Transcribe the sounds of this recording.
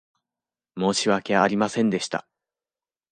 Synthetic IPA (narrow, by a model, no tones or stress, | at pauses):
mo̞ːɕiβakʲeaːɾʲimasẽ̞nd̪e̞ɕi̥t̪a̰